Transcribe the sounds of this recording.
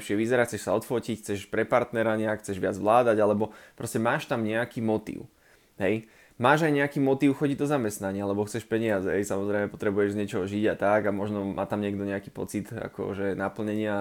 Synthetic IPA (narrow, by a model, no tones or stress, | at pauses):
ʃɪɛʋizɛɾaxt͡sɛʃsaɔt̪fɔcicxt͡sɛʃpɾɛpaɾt̪nɛɾaɲɛakxt͡sɛʒʋɪad͡zʋlaːd̪aɟalɛbɔpɾɔscɛmaːʃt̪amɲɛakiːmɔt̪ḭʊ | ɦɛj | maːʒajɲɛakiːmɔt̪iːʊxɔɟiɟd̪ɔzamɛst̪naɲɪalɛbɔxt͡sɛʃpɛɲɪad͡zɛɦɛjsamɔzɾɛɪmɛpɔ̥t̪ɾɛbujɛʒzɲɛt͡ʃɔɦɔʒiɟat̪aɡamɔʒnɔmʔa̰ːt̪amɲɪɛɡd̪ɔɲɛakiːpɔ̰t͡sit̪a̰kɔ̰ʒɛnapl̩ɲɛɲɪa